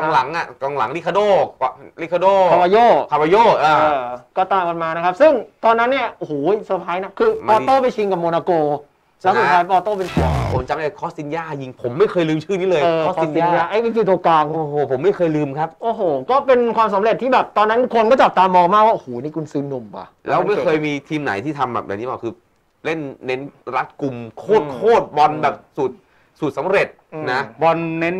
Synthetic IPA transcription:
kɔ˧ŋla˨˩˦ŋʔa˨˩kɔ˧ŋla̰˩˦ŋli˦˥kʰa˧doː˥˩˧li˦˥kʰa˧doː˥˩a˧wa˧joː˥˩kʰa˧wa˧joː˥˩ʔːɤː˧˩kɔː˥˩t̪aː˧˩ka˧nmaː˧na˦˥kʰa˦˥p̚sɯ˥˩ŋt̪ɔː˧nːa˦˥nːi˥˩ɐʔo˧huː˩jsu˨˩t̪ʰːaː˦˥jna˦˥kʰɯː˧pɔː˧t̪oː˥˩pa˧jt͡ɕʰi˧ŋka˨˩moː˧naː˧koː˧ | sa˨˦˥su˨˩aː˦˥jpɔː˧t̪oː˥˩pe˧nkʰu˨˩əo̰˨˩˦mt͡ɕa˧mdaː˥˩kʰɔː˦˥t̚si˧njaː˥˩ji˧ŋpʰo˩˦mːa˥˩jkʰɤː˧jlɯː˧mt͡ɕʰɯː˥˩niː˦˥lɤː˧jɤː˧˦˥ɔ˦i˧naː˧jaː˥˩ʔa˦˥jwi˦˥˩tʰiː˧t̪u˧ɐklaː˧ŋoː˧hoː˨˩pʰo˩˦mːa˥˩jkʰɤː˧jlɯː˧mkʰa˦˥p̚ʔoː˨˧˩ɦoː˨˩˦kɔː˥˩pe˧nkʰwaː˧msa˨˦mɾe˨˩t̪ʰːiː˥˩bɛː˨˩p̚t̪ɔː˧nːa˦˥nkʰo˧nkɔː˥˩t͡ɕa˨˩p̚t̪aː˧mɔː˧ŋmaː˥˩k̚waː˥˩ʔo˨hoː˨˩˦niː˥˩kʰu˧nsɯː˦˥nːu˧mka̰˨˧˩lɛː˦˥wma˥˩jkʰɤː˧jmiː˧t̪ʰiː˧mna̰˩˦jt̪ʰiː˥˩t̪ʰa˧mbɛ̰ː˨˩p̚ja̰˨˩ŋniː˦˥bɔː˨˩kʰɯː˧ | le˥˩nːe˦˥nɾa˦˥t̪̚ku˧mkʰoː˥˩t̪̚kʰoː˥˩t̪̚bɔ˧nbɛː˨˩p̚suː˨˩t̪̚ | su˨˩t̪̚sa˨˦mɾe˨˩t̪̚na˦˥bɔ˧nːe˦˥n

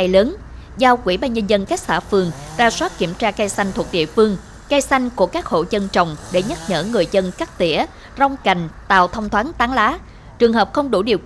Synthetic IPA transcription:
jləː˨˦n | zaː˧wkwi˧˩ɓaː˧nɲə˧nzə˧nka˦˥k̚saː˧˩fɨ˨˩əŋzaː˧swaː˦˥t̚ki˧˩əmt͡ɕaː˧kaː˧jsa˧ŋt̪ʰu˨˩k̚ɗḭ˧˨əfɨ˧əŋ | ka˧jsa˧jŋ̟ku˧˩əkaː˦˥k̚ho̰˧˨t͡ɕə˧nt͡ɕə˨˩wŋ͡mɗe˧˩ɲə˦˥t̚ɲəː˧˩ŋɨ˨˩əjzə˧nkaː˦˥k̚t̪ḭ˧˩ə | za˧wŋ͡mka˨˩jŋ̟t̪a̰ː˧˨wt̪ʰə˧wŋ͡mt̪ʰwaː˨˦nt̪aː˨˦ŋlaː˨˦ | t͡ɕɨ˨˩əŋɦəː˨˩p̚xə˧wŋ͡mɗu˧˩ɗi˨˩əw

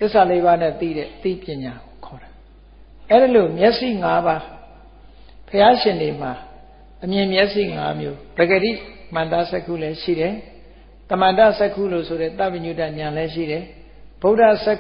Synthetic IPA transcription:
t̪ɪ˦˨sa˨le˦βa˦nɛ̰˦˨t̪ḭ˦˨ɾɛ̰˦˨t̪ḭ˦˨pjɪ̃˨ɲa˨ɡo˨kʰɔ˨ɾa˨ | ʔɛ˦di˨lo˨mjɛ˦ʔsḭ˦˨ŋa˦ba˦ | pʰəja˦ʃɪ̃˨nde˨m̥a˨ | ʔəmjɪ̃˨mjɛ˦ʔsḭ˦˨ŋa̰˦mjo̰˦b̥ɛ˨ɡə˨ɾḭ˦˨m̥ã˨nd̪a̰˦˨sɛ˦kʰːṵ˦˨lɛ˦ʃḭ˦˨ɾɛ˨ | t̪ə˨mã˨da˦˨sɛ˦kʰṵ˦˨lo̰˦˨sʰo˨ɾɛ˦˨t̪a˦˨bə̃˨ɲu˦ta˦˨ɲã˨lɛ˦ʃ̬ḭ˦˨ɾɛ˨ | b̥o˦ʊda˦˨sɛ˦

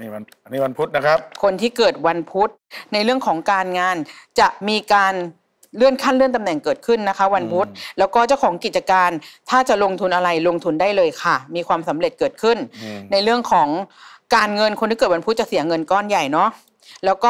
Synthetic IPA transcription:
ni˦˥˩wa˧npʰu˦˥t̪̚na˦˥kʰa˦˥p̚kʰo˧nt̪ʰiː˥˩kɤː˨˩t̪̚wa˧npʰu˦˥t̪̚na˧jɾɯ˥˩əŋkʰɔː˩˦ŋkaː˧nŋaː˧nt͡ɕa˨˩ʔmiː˧kaː˧n | lɯ˥˩ənkʰa˥˩nlɯ˥˩ənt̪̬mnɛ˨˩ŋkɤː˨˩t̪̚kʰɯ˥˩nːa˦˥kʰa˦˥wa˧npʰu˦˥t̪̚lɛː˦˥wkɔː˥˩t͡ɕa˥˩wkʰɔː˩˦ŋki˨˩t͡ɕa˧kaː˧nt̪ʰaː˥˩t͡ɕa˨˩ʔlo˧ŋt̪ʰu˧nʔa˧ɾa˧jlo˧ŋt̪ʰu˧ndaː˥˩jlɤː˧jkʰa˥˩miː˧kʰwaː˧msa˩˦mɾe˨˩t̪̚kɤː˨˩kʰɯ˥˩nna˧jɾɯ˥˩əŋkʰɔː˩˦ŋkaː˧nŋɤ˧nkʰo˧nt̪ʰiː˥˩k̪̚ːwa˧pʰu˦˥t̪̚t͡ɕa˨˩si˨˩˦ɐŋɤ˧nkɔː˥˩nja˨˩jnɔ˦˥ʔ | lɛː˦˥wkɔː˥˩

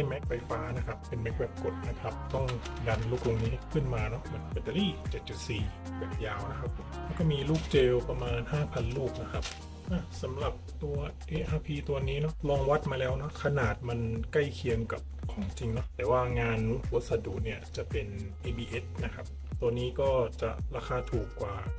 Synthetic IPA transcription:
a˧˩jmɛ˦˧˥k̚pa˨˧jfaː˧˥˩na˧kʰa˦˧pːe˨nmɛ˦˥k̚wɛ˧˩p̚ko˨˩˦t̪̚na˧kʰa˧p̚t̪ɔ˥˩ŋda˧nluː˧˩k̚lo˧ŋniː˦˥a˧˩kʰɯ˧˥˩nmaː˧nɔ˧˥ʔma˧˥˨npa˧˩da˧liː˥˩t͡ɕe˨˩t̪̚t͡ɕu˨˩t̪̚siː˨˩bɛː˨˩p̚jaː˧˩wna˦˥kʰa˧˥p̚ | lɛː˧˥˩kɔː˧˥˩miː˧luː˥˩k̚t͡ɕɤː˧pa˧maː˧nhaː˥˩pʰa˧nluː˥˩k̚na˧kʰa˧p̚ | ʔa˧˩sa˨˦mla˨˩p̚t̪u˧ɐʔeː˧˥ʔaː˧pʰiː˧t̪u˧ɐniː˦˥nɔ˦˥lɔː˧ŋwa˦˥t̪̚maː˧lɛː˦˥˩wnɔ˧˦˥kʰa˧naː˨˩t̪̚ma˧˥nka˥˩jkʰi˧əŋka˨˩p̚kʰɔː˨˩˦ŋt͡ɕi˧ŋnɔ˦˥t̪ɛː˨˩waː˧˩ŋaː˧n˧kʰu˨˧˦sa˧duː˨˩t̪̚ni˧˩ɐt͡ɕa˨˩pe˨nʔe˧biː˧ʔe˦˥t̚na˦˧kʰa˦˧p̚ | t̪u˧ɐniː˦˥kɔː˥˩t͡ɕa̰˨˩ʔlaː˧kʰaː˧t̪ʰuː˨˩kːwaː˨˩

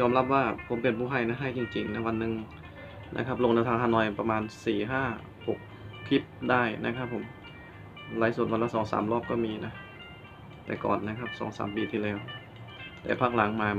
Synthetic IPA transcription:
jɔː˧mla˦˥p̚waː˧˩pʰo˩˦mpe˨˩npʰuː˧˩ɦa˧˩jna˧˥˩ɦa˧˥˩jt͡ɕi˧ŋt͡ɕi˧˩ŋna˦˥wa˧nːɯ˧ŋ | nʔa̰˧˥kʰa˦˥p̚lo˧ŋne˧˩t̪ʰaː˧ŋhaː˧˥nɔː˧˩jpa˧maː˧nsiː˨˩ɦaː˥˩ | ho˨˩k̚ʰːi˦˥˩p̚daː˥˩jna̰˧˦˥kʰa˦˥pʰːo˨˩˦m | laː˧˦jsu˨˩t̪wa˧nla˧˥˩sɔː˩˦ŋsa̰ː˩˦mlɔː˥˩p̚kɔː˧˥˩miː˧na˦˥ | t̪ɛ̰ː˨˩kɔ̰ː˨˩nːa˦˥˩kʰa˦˥˩p̚sɔ̰ː˩˦ŋsa̰ː˩˦mpiː˧t̪ʰiː˧˩lɛː˧˩w | t̪ɛ̰ː˨˩pʰa˧˥˩k̚la˩˦ŋmaː˧

